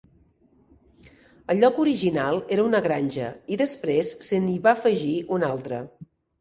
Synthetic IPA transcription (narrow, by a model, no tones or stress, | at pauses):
əʎːɔkuɾiʒinalˠeɾəunəɣɾanʲʒə̰iðəspɾesːəniβafəʒiunalˠt̪ɾə̰